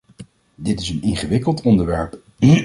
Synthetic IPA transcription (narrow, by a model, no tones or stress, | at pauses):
dɪtɪsənɪnχəʋɪkəlˠtɔndəɹʋɛɹp